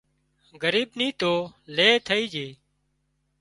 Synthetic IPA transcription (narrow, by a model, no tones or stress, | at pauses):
ɡəɾiːbnĩːt̪oːleːt̪ʰəiːd͡ʒeː